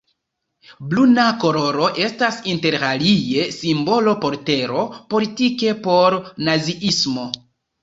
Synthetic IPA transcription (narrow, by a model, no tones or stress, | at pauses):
blunako̞ɾo̞ɾo̞ʔe̞stasinte̞ɾɾalie̞simbo̞lo̞po̞ɾte̞ɾo̞po̞litike̞po̞ɾnaziʔismo̞